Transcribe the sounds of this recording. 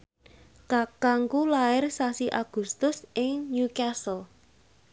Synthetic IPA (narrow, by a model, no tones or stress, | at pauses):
kakaŋkulaɪrsasiʔaɡ̥ṳst̪ʊsʔɪŋɲukasəl